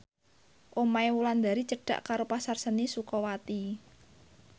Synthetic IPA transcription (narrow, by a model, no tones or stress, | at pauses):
ʔomaewuland̪a̤ɾit͡ʃəɖ̥ä̤ʔkaɾopasarsənisukɔwat̪i